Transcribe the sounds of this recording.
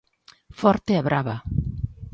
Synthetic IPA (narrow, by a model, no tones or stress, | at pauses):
fɔɾt̪eaβɾaβa